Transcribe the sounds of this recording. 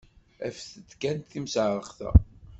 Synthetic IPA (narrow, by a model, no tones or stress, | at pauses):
æ̰fθət̪ːkænt̪θimsʕɾˤəχθæ̰